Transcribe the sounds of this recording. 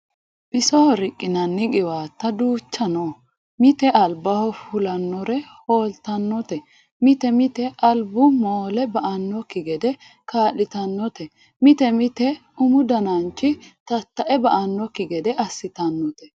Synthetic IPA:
b̥ɪsɔhɔɾɪkʼːɪnɐnːɪɡɪwaːt̪ːɐd̪uːt͡ʃːɐno | mɪt̪ɛʔɐlbɐhɔfʊlɐnːɔɾɛhoːlt̪ɐnːɔt̪ɛ | mɪt̪ɛmɪt̪ɛʔɐlbʊmoːlɛbɐʔɐnːɔkːɪɡɛd̪ɛ | kaːlːɪt̪ɐnːɔt̪ɛ | mɪt̪ɛmɪt̪ɛʊmʊd̪ɐnɐnt͡ʃːɪt̪ɐt̪ːɐʔɛbɐʔɐnːɔkɪɡɛd̪ɛʔɐsːɪt̪ɐnːɔt̪ɛ

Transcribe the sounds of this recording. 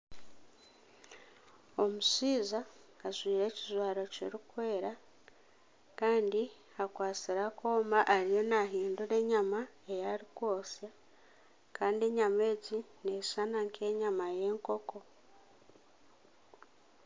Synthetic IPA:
o̞musiːzaːzwiːɾe̞ːcizwaːɾo̞cḭɾikwe̞ːɾa | kaːndi | akwaːt͡siɾakoːmaʔːɾije̞naɦiːnduɾe̞ːɲama | e̞jaɾikwo̞ːsja | kaːndie̞ɲame̞ːɟine̞sanaŋkʰe̞ɲamaje̞ːŋko̞ko̞

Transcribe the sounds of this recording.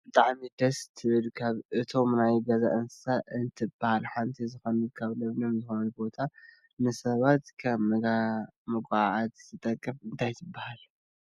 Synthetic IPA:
b̥ɨt̪ʼaʕmid̪ɐst̪ʰɨβɨlkʰaβʔɨt̪ʰo̞mnajɡɐza̰ʔɨnssaʔɨnt̪ʰɨbahalħant̪ʰizɨxɐnɨd̪kʰaβlɐβnɐmzɨxonɐlbo̞t̪ʰa | nɨsɐβat̪kʰaβmɐɡamɨkʼaʕʕat̪zɨt̪ʼɐkʼːɐfɨnt̪ʰajt̪ʰɨbːahal

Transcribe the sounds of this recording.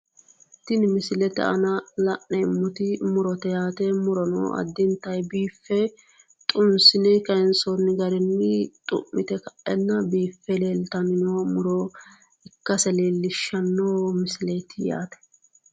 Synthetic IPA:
t̪ɪnmɪsɪlɛt̪ɛ̰ɐ̰nɐlɐʔnɛɪmːʊt̪ɪmʊɾɔt̪ɛjaːt̪ɛmʊɾɔno̰ɐ̰d̪ːɪnt̪ːɐjbiːfːɛ | t̪ʼʊnsɪnɛkɐɛnsɔnːɪɡɐɾɛnːɪt̪ʼʊ̰mːɪt̪ɛkɐʔɛnːɐbiːfːɛleːlt̪ɐnɪnoːmʊɾɔ | ɪkːɐsɛleːlːɪʃːɐnːoːmɪsɪlet̪ɪja̰ːt̪ɛ̥

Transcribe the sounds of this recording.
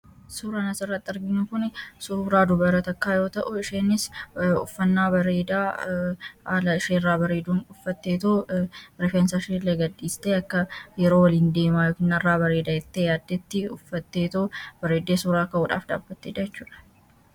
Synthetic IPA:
suːɾɐnɐsɪrːɐt̪ːɪɐɾɡɪnːʊkʊnsuɾaːd̪ʊbɐɾɐt̪ɐkːaːjo̞ːt̪ɐʔʊɪʃeːnːɪsʊfːɐnːaːbɐɾeːd̪aː | lɐɪʃeːrːaːbɐɾe̞ːd̪uːnʊfːɐt̪ːeːt̪ɐɾɪfɛnsaʃeːlɐɡɐd̪ːiːst̪eːɐkːɐjɛɾo̞ːwɐliːnd̪e̞ːmaːjokɪnːɐrːaːbɐɾe̞ːd̪aːɪt̪ːejaːd̪ːɛt̪ːɪʊfːɐt̪ːe̞ːt̪ɐbɐɾeːd̪ːe̞ːsuːɾaːɐkːɐuᶑa̰ːfd̪a̰ːbːɐt̪ːeᶑ̪ɐjɛt͡ʃːuːᶑɐ̥

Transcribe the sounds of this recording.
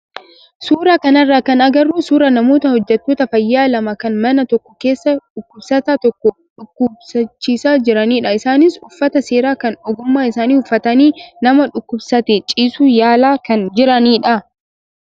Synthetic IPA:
suːɾakɐnɐrːaːkɐnɐɡɐrːuːsuːɾɐnɐmo̞ːt̪ɐhɔd͡ʒːɛt̪ːoːt̪ɐfɐjːaːlɐmɐkɐnmɐnɐt̪ɔkːɔke̞ːsːɐᶑʊkːʊbsɐt̪at̪ɔkːɔ | ᶑʊkːʊbsɐt͡ʃːiːsaːd͡ʒɪɾɐniːᶑɐɪsaːnɪsʊfːɐt̪ɐse̞ːɾaːkɐnɔɡʊmːaːɪsaːniːhʊfːɐt̪ɐniːnɐmɐᶑʊkːʊbsɐt̪ɛt͡ʃʼiːsuːjaːlaːkɐnd͡ʒɪɾɐniːᶑɐ

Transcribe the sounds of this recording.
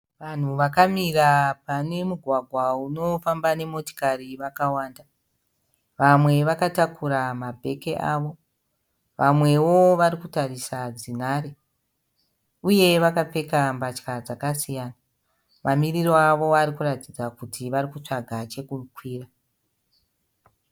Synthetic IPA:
ʋan̤uʋakamirapane̞muɡʱwaɡʱwauno̞fambane̞mo̞to̥kariʋakawaːnda | ʋamwe̞ʋakatakʰuɾamabʱe̞ke̞ʔaːʋo | ʋamwe̞wo̞ʋaɾikutarisad͡zinaɾe | uje̞ʋakap͡fe̞kambat͡ʃkad͡zakasijaːna | mamiriro̞aʋo̞aɾikuratid͡zakutʰiʋarikut͡ʂaɡʱat͡ʃe̞kukʰwiːra

